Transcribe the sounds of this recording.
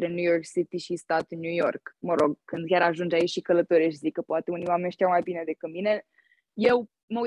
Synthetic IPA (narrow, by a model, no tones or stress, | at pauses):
ɾenjujo̞rksit̪iʃist̪at̪njujo̞rkməɾo̞ɡkɨnd̪̚kʲaɾaʒund͡ʒait͡ʃʲʃikələt̪oɾeʃ̬izikːəpoat̪eunijwamenʲʃt̪jawmajbine̞d̪e̞kɨt̪mine̞ | je̞w | məu